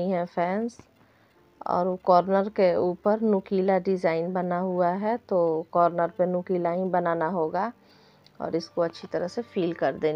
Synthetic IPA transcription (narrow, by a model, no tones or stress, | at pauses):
iɦɛ̃fʰɛːns | ɔ̰ːɾokɔːɾnəɾkeuːpəɾnʊkiːlaɖɪzaːɪnbɐnaɦuaɦɛt̪okɔːɾnəɾpenʊkiːlaːĩnbɐnaːnaɦoːɡa | ɔ̰ːɾɪskoɐtːʃʰit̪ɐɾəɦsefʰiːlkɐɾd̪eː